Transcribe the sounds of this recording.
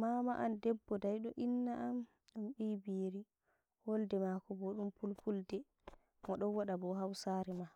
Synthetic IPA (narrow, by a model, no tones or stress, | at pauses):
mamaʔandɛbːɔdajɗɔʔinːaʔam | ɗumɓibiɾi | woldɛmakɔbɔɗumpulpʰuldɛ | mɔɗɔnwaɗabɔhawsaːɾima